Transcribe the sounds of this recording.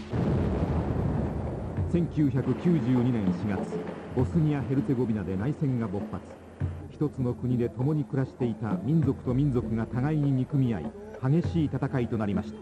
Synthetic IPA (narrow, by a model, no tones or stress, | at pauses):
sẽ̞ŋkʲɨːçakɯ̟kʲɨːʑɨːɲ̟inẽ̞ɰ̃ɕiɡat͡sɨ̥bo̞sɨɲ̟iaɦe̞ɾɯ̟t̪e̞ɡo̞bʲinad̪e̞naisẽ̞ŋɡabo̞pːat͡sɨ̥ | çi̥t̪o̞t͡sɨno̞kɯ̟ɲ̟id̪e̞t̪o̞mo̞ɲ̟ikɯ̟ɾaɕi̥t̪e̞it̪amʲĩnd͡zo̞kɯ̥t̪o̞mʲĩnd͡zo̞kɯ̟ɡat̪aɡaiɲ̟iɲ̟ikɯ̟mʲiaḭ | haɡe̞ɕiːt̪at̪akait̪o̞naɾʲimaɕi̥t̪ḁ